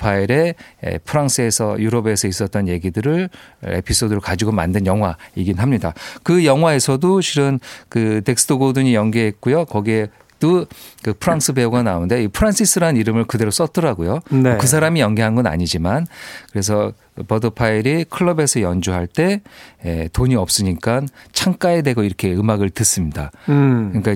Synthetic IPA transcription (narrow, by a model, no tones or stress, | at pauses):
pʰaiɾe̞ḛpʰɯɾaŋs͈ʰɯe̞sʰʌjuɾʌbe̞sʰʌis͈ʌt͈̚ʌnje̞ɡidɯɾɯɭe̞̰pʰis͈ʰodɯɾoɭkad͡ʑiɡoma̰ndɯnjʌŋɦwaiɡinɦamɲidakɯjʌŋɦwae̞sʰʌdot͡ɕiɾɯnkɯte̞ks͈ʰɯ̥tʰoɡoduɲijʌŋɡeɦet̚k͈ujokʌɡie̞ | t͈ɯkɯpʰɯɾaŋsʰɯbe̞uɡanaonde̞ipʰɯɾans͈ʰisʰɯɾaniɾɯmɯɭkɯde̞ɾos͈ʌt͈ɯɾaɡojonkɯs̬ʰaɾamijʌŋɡeɦanɡʌna̰ɲid͡ʑimankɯɾe̞sʰʌ | pʌdɯpʰaiɾikʰɯɭːʌbe̞sʰʌjʌnd͡ʑuɦaɭt͈e̞etoɲiʌp̚s͈ɯɲik͈ant͡ɕʰaŋk͈aedwe̞ɡʌiɾʌkʰe̞ɯmaɡɯɭtɯs͈ɯmɲida̰kɯɲik͈a